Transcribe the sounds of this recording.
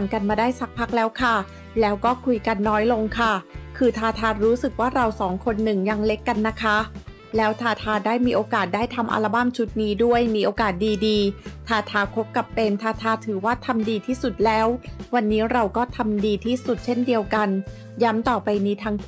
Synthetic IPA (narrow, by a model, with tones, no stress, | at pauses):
ŋka˧nmaː˧daː˥˩jsa˦˥k̚pʰa˦˥k̚lɛː˦˥wkʰa˥˩ | lɛː˦˥wkɔː˥˩kʰu˧jka˧nːɔː˦˥jlo˧ŋkʰa˥˩kʰɯː˧t̪ʰaː˧t̪ʰaː˧ɾuː˦˥sɯ˨˩k̚waː˥˩ɾa˧wsɔː˩˦ŋkʰo˧nːɯ˨˩ŋja˧ŋle˦˥kːa˧nːa˦˥kʰa˦˥ | lɛː˦˥wt̪ʰaː˧t̪ʰaː˧daː˥˩jmiː˧ʔoː˧kaː˨˩t̪̚daː˥˩jt̪ʰa˧mʔa̰ː˧la˧ba˥˩mt͡ɕʰu˦˥t̪̚niː˦˥du˥˩əjmiː˧ʔoː˧kaː˨˩t̪̚diː˧diː˧t̪ʰaː˧t̪ʰaː˧kʰo˦˥p̚ka˨˩pːe˧nt̪ʰaː˧t̪ʰaː˧t̪ʰɯː˩˦waː˥˩t̪ʰa˧mdiː˧t̪ʰiː˥˩su˨˩t̪̚lɛː˦˥wwa˧nːiː˦˥ɾa˧wkɔː˥˩t̪ʰa˧mdiː˧t̪ʰiː˥˩su˨˩t̪̚t͡ɕʰe˥˩ndi˧əwka˧n | ja˦˥mt̪ɔː˨˩pa˧jniː˧t̪ʰaː˧˥ŋ